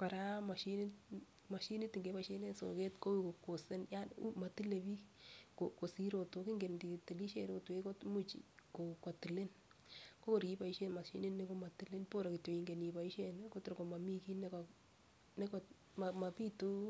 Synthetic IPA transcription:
ka˨ɾa˦ma˨ʃin | ma˨ʃi˦ni˦ti˨ŋɡe˦pa˨ʃe˦ne˦so̰˨ke˦tko˦wiko˨ko˨se˦nja˦ṵ˦ma˨ti˦le˨bi˦koko˨si˦ɾo˨to˨kɪ˦ŋɡe˨ndi˨ti˨li˦ʃe˨ɾo˦tu˨e˦ko˦tmu˦t͡ʃḭko˨ko˨ti˨le˦n | ko˦ko˦ɾi˦pa˨iʃe˦nma˨ʃḭ˦nɪ˦nnːe˦ko˦ma˨ti˦le˦npo˦ɾa˨kɪ˨to˨i˨ŋɡe˨ni˨pa˨i˦ʃenko˦tɾko˨ma˨mi˦ki˦nɛ˦kɔ | ne˦kɔ˨ | ma˨ma˨pi˦tu˦

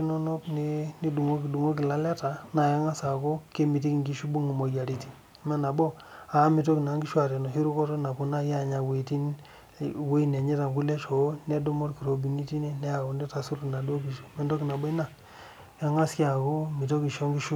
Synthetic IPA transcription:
i˦no˦no˦pni˦ni˦du˨ŋo˦ki˨du˨ŋo˦ki˨la˦le˦ta˨na˨ja˦ŋa˦sa˨ko˦ke˦mi˨ti˦ki˨ŋɡi˦ʃu˦bu˦ŋi˨mo˨ja˨ɾi˦ti˨˦ | me˦na˨bo˦ | a˨˦mi˨t̬o˦ki˨na˨˦ŋɡi˦ʃwa˨ɾe˨no˨si˦ɾu˦ko˦to˦na˨ku˨na˦ja˦˨ɲa˨we˨ti˦n | we˦i˦ne˨ɲe˦ta˨ŋku˦le˦t͡ʃo˨˦ne˦do˦mo˦ɾki˨ɾo˨bi˨ni˦ti˦ne˦ne˦ja˨ko˨ndi˦ta˨su˦ɾki˨na˨do˦ki˨ʃme˦ndo˦ki˨na˨bo˦na˦˨ | ja˦ŋa˦si˦a˨ko˦mi˨t̬o˦ki˨ʃo˦ŋɡi˦ʃu˦

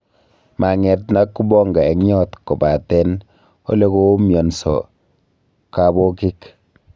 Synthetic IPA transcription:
ma˨ŋɛ˨t̚na˦kːu˦bɔ˦ŋɡa˨ɛ˨ŋɲɔ˦tkɔ˨ba˨tɛ˦n | o̰˦le˦ko˦mjɔ˨nsɔ̰˨ | ka˨bo˦ki˦k

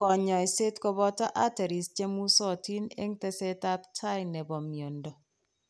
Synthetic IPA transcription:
kɔ˨ɲɔ˨i˨se˦tkɔ˦bɔ˦tɔ˦ʔa˦te˨ɾi˨st͡ʃe˦mu˦so˦˨ti˦nḛ˦ŋte˦se˦ta˦p̚tʰa˦jnɛ˨bɔ˨mjo˨ndɔ˨

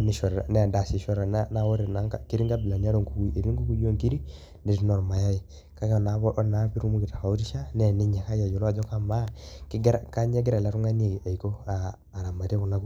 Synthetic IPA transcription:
ni˦ʃɔ˨ɾnɛ˦˨nda˨si˨ʃɔ˦ɾa˨na˦na˦wɔ˦ɾe˨na˦ŋ˦ki˦ɾi˦ŋɡa˦bɪ˨la˨ɲ˦a˦ɾo˦˨ŋku˨ku˦e˨ɾi˦ŋɡu˦ku˦jo˦˨ŋki˦ɾi˦ | ne˨ɾnɔ˨ɾma˨ja˦ji˨ | ka˦kna˨bɔ˦ʔna˦pi˦ɾu˦mu˦kɪ˨ta˨ka˨u˦ɾi˦ʃa˦nɛ˨nɪ˦ɲɛ˨ka˦ja˨jɔ˨la˨d͡ʒɔ˦ka˦ma˦kɡɾka˦ɲɛ˦ɡɪ˦ɾa˨la˦ɾu˦ŋa˦ne˨a˨i˨ko˦aː˨ | ɾa˨ma˨te˦ku˨na˦ku˦

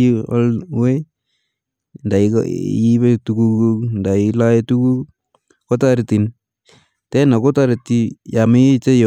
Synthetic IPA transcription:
ɔ̰˦lwe˦ | nda˨iki˦βe˦tuku˦kunda˨ila˦e˦tu˦ku˦k | ko˦ta˦ɾti˨n | tɛ˦na˨ko˦ta˦ɾti˧ja˨me˦t͡ʃe˦j

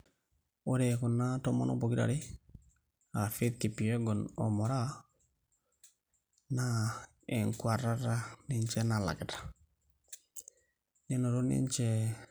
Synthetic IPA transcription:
o˦ɾe˨ku˨na˦to˦mo̰˦no̰˦bo˨ki˦ɾa̰˨ɾi˦ | a˨fi˦t̪̚ki˨pi˨e˦ɡɔ˨no̰˨mo˨ɾa˦ | na˦ | e˨ŋkwa˨ɾa˦ɾa˦ni˦nt͡ʃɛ˦na˨la̰˨kɛ˨tḁ˨ | ni˦no˨ɾo˦nḭ˦nt͡ʃɛ˦

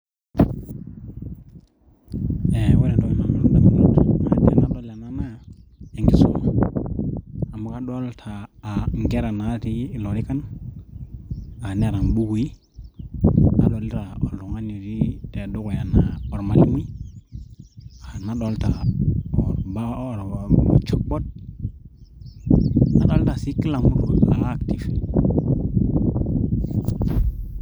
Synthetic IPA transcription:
e˨we˦na˨do˦m˨na˨o˨ɾdo˨mi˨do˦tḛ˨na˦ɗo˦la˨na˦na˦˨e˨ŋɡi˨so̰˦ | a˨mu˦ka˦ɗo˦ltʰaː˨ŋɡɛ˦ɾa˨na˨˦ti˦˨lo˨ɾi˦ka˦n | a˨ne˦˨ɾa˨nbu˦ku˨i˦ | a̰˨ɗo˨li˦ɾa˨o̰˨ɾlu˨ŋa˦ni˨ɾi˦te˨do˦ko˨ja˨na˨o˨ɾma˨ɾi˦mi˦ | a˨na˦ɗo˦lta˨o˨ɾba˦˨ɾma̰˨t͡ʃo˦k̚ɓo˦d̚ | na̰˨ɗo˦lta˨si˦ki˦la˨mu˦ɾu˨la˨˦kti˨f

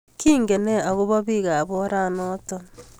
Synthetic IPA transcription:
kiːŋɡe˨ne˦a˨ɣu˦βo˦βiɣa˨βoɾanoto

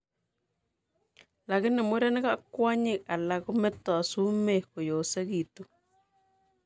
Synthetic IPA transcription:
la˨kɪ˦nɛ˨mi˦ɾa˦nɛ˦ka˦kwa˦ɲɪ˦˨ka˨la˨ku˦mɛ˦tɔ˨su˦me˦˨ko˨jo˨se˦ki˨tu˦

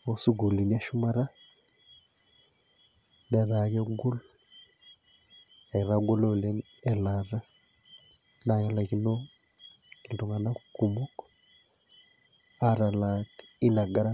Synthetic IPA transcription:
o˦su˦ɡu˨li˨ni˦a˦ʃu˦ma˦ɾa˦ | nɛ˨ɾa˨kɛ˦ɡo˦l | ɛ˨ɾa˦ɡo˦lo˦˨le˦ | ɛla˨ɾa˦ | na˨jɛ˦la˨ki˦no˦ | ki˨du˨ŋa˨na˦kuku˨mu˦k | a˨ɾa˨la˨ki˦na˨ɡa˦ɾa˦

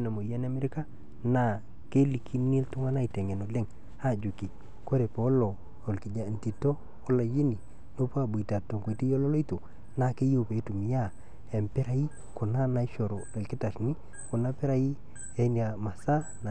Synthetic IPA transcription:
na˨mo˨ja˦n˦a˦me˦ɾɪ˦ka˦ | na˨ | ke˦li˨kʰi˦ni˦ltʊ˦ŋa˦na˦i˨te˨ŋe˨no˨le˦ŋ | a˦˨d͡ʒu˨ki˨ | ko˦ɾe˨po˨˦lo˨ | o˨lkɪ˨d͡ʒa˨n˨ti˨to˦ | o˦la˨ji˦ni˨ | no˦pa˦˨bu˨i˨ta˨tːo˨ŋku˨i˨ti˦jo˦lɔ˦lo˦i˦to˨ | na˨ke˦jo˨pe˨˦tu˨m˨ja˦˨ | e˨mpe˦ɾa˨i˦ | kʊ˨na˦na˨˦ʃo˨ɾo˨e˨lkɪ˦ta˨sni˦ | kʊ˨na˦pe˦ɾa˦ji˦ | e˦ni˨a˨ma˨sa˦ | na˨

